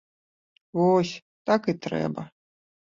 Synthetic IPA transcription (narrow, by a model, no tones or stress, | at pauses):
vɔsʲ | t̪akɨt̪ɾɛ̰bɐ